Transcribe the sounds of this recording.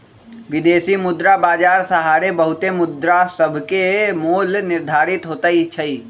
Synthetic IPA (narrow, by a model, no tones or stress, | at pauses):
ʋɪd̪eːsimʊd̪ɾabaːd͡ʒaːɾsəɦaːɾebəɦʊt̪emʊd̪ɾasəbʱkemuːlnɪɾd̪ʱaːɾɪt̪ɦoːt̪ait͡ʃʰɐiː